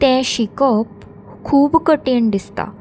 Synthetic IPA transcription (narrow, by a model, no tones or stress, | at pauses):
t̪ɛ̃ɕikəp | kʰːuːbkəʈeɳd̪ist̪a̰